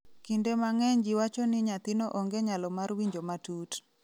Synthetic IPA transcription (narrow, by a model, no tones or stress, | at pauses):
kindemaŋɛɲd͡ʒiwat͡ʃɔnɪɲat̪inoʔoŋɡeɲalɔmarwiɲd͡ʒomatut